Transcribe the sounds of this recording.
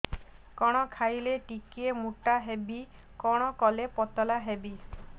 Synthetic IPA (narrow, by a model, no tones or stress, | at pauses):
kɔɽ̃ɔkʰajleʈikiemuʈaɦebi | kɔɽ̃ɔkɔlepɔt̪ɔlaɦebi